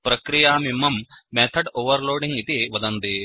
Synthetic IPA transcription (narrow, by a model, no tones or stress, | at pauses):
pɾɐkɾijaːmimːɐmːeːt̪ʰɐɖoːʋɐɾloːɖiŋɡit̪iʋɐd̪ɐnd̪i